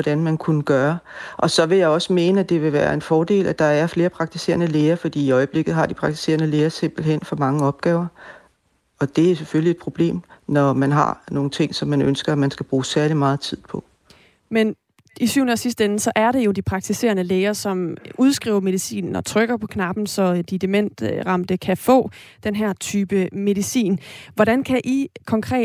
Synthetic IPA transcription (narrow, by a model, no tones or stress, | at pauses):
ɒd̥ænmænkʰunəɡ̥ɶːɐʔɒ̽sɒ̽ʋe̝jɑ̈ɪɒ̽səme̝ːnəæd̥e̝ʋe̝ʋæːɐe̝nfɒːd̥e̝̰ːlʔæd̥ɑ̈æɐfle̝ːɐpʰʁɑ̈ɡ̥̚t͡sʰise̝̰ːɐnəleːɐfɒ̽d̥ḭːiɒ̽ɪəb̥le̝ɡ̥ð̩ˠɦɑ̈d̥ipʰʁɑ̈ɡ̥t͡sʰi̥se̝̰ɐnəleːɐse̝m̰b̥l̩ɦen̰fɒ̽mɑ̈ŋəɒ̽b̥̚ɡ̥ɛːʊɐ | ɒ̽d̥e̝æɐseføllied̥̚pʰʁo̝b̥le̝̰ːmnɒmænɦɑ̈no̝ːn̩t͡sʰe̝ŋ̰sɒ̽mːænønsɡ̥ɐæmænsɡ̥æb̥ʁuːsæɐlimɑ̈ːð̞̩ˠt͡sʰið̞̰ˠpʰɒ̽ | men | isyʊ̰nəɒsisd̥enn̩sɒ̽ʔæɐɾe̝jo̝d̥ipʰʁɑ̈ɡ̥̚t͡sʰise̝̰ːɐnəleːɐsɒ̽muð̞ˠsɡ̥ʁḭʊ̰ɐme̝ð̞ˠisḭːnn̩ɒ̽t͡sʰʁœɡ̥ɐpʰɒ̽kʰnɑ̈b̥n̩sɒ̽d̥id̥emen̰d̥ʁɑ̈m̰d̥əkʰæfɔ̰̽ːd̥enɦæɐt͡sʰyːb̥əme̝ðˠisḭːnʋɒɾ̥ænkʰæʔikʰɒ̽ŋkʰʁɛ̰ː